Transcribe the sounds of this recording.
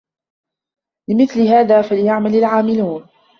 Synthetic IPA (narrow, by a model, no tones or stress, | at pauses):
lɪmɪθlɪhaːðaːfalɪjaʕmalalʕaːmɪluːn